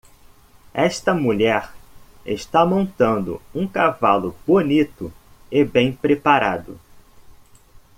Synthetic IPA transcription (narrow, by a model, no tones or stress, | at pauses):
ɛʃt̪ɐmuʎɛɾ | ḛʃt̪amõnt̪ɐ̃nd̪ʊ̰ũkavalʊbonit̪ʊ | ɪbẽj̃pɾepaɾa̰d̪ʊ̰